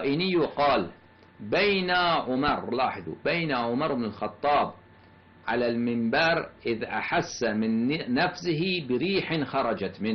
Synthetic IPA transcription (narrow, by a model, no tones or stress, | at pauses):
ʔɪnɪjuqɑːl | bajnaʕʊmɑɾˤlɑːħɪðˤṵbajnaʕʊmɑɾˤbnɪlxɑt̪ˤːɑːb | ʕa̰lalmɪmbɑːɾˤʔɪðʔa̰ħasːamɪnːafsɪɦibɪɾiːħɪnxɑɾˤɑd͡ʒat̪mɪn